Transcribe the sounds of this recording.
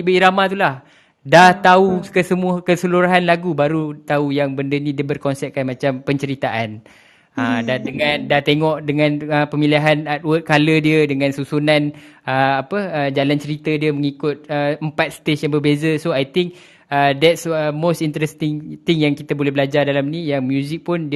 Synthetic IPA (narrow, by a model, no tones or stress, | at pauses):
ibəiɾamat̪ulah | daht̪aukəsəmũəkəsəluɾaɦanlaɡubaɾut̪aujaŋbəndənĩdiəbərkɔnsɛp̚kanmãt͡ʃampəɲt͡ʃəɾit̪aʔan | ədadəŋãndaht̪eŋɔʔdəŋãnəpəmĩliɦanat̪̚wət̪̚kalədiədəŋãnsusunãnəapəːd͡ʒalant͡ʃəɾit̪ədiəməŋikʊt̪̚əəmpat̪̚st̪esjaŋbərbezəsoajt̪ɪŋk̚ | ədɛtsəmost̪int̪ɾɛst̪ɪŋt̪ɪŋjaŋkit̪abolɛhbəlad͡ʒardalamnĩjaŋmjuzɪk̚pʊndi